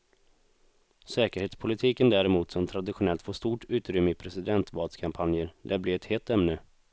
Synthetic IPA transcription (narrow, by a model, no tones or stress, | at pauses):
sɛːkəɾheːt̪spʰʊlɪt̪ʰiːkənd̪æːɾɛmuːt̪sɔmt̪ʰɾad̪ɪɧʊnɛlt̪foːʂt̪uːʈʉ̟ːt̪ɾʏmːəɪpʰɾɛsɪd̪ɛnt̪vɑːlt̪skʰampʰanjəɾd̪æblɪɛt̪heːlt̪ɛmnə